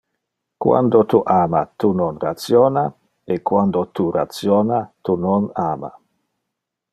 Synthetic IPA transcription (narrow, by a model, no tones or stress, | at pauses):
kwa̰nd̪ot̪uʔaːma̰t̪unonrat̪sjoːna | ekːwand̪ot̪uɾa̰t̪sjonat̪unonaːma̰